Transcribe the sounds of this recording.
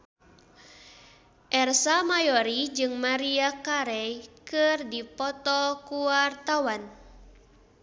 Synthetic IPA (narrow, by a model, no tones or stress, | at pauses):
ʔɛrsamajɔɾid͡ʒɨŋmaɾiakaɾɛjkɨrdipɔt̪ɔkuwart̪awan